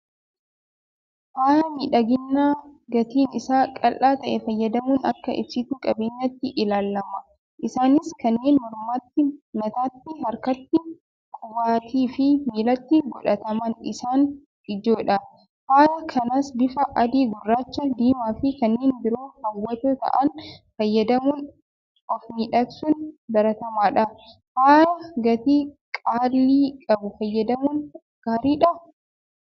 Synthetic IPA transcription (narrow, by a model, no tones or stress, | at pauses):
haːjɐmiːᶑɐɡɪnːaːɡɐt̪iːnɪsaːkʼɐlʔaːt̪ɐʔɛfɐjːɐd̪ɐmuːnɐ̰kːɐʔɪ̰bsɪt̪uːkʼɐbeːɲːɐt̪ːɪʔɪlaːlːɐmɐ | ʔɪsaːnɪskɐnːeːnmɔɾmaːt̪ːɪnɐt̪aːt̪ːɪɦɐɾkɐt̪ːɪ | kʼʊwaːt̪ʰiːfɪmiːlɐt̪ːɪɡɔᶑɐt̪ɐmɐnɪsaːn | ɪd͡ʒoːᶑɐ | haːlɐkʰɐnaːsbɪfɐʔɐd̪iːɡʊrːaːt͡ʃːɐd̪iːmaːfɪkɐnːeːnbɪɾoːhɐwːɐt̪ot̪ɐ̰ʔɐnfɐjːɐd̪ɐmun | ɔfmiːᶑɐksʊnbɐɾɐt̪ɐmaːᶑɐ | haːlɐɡɐt̪iːkʼaːlːiːkʼɐbʊfɐjːɐd̪ɐmʊːn | ɡ̥aːɾiːᶑɐ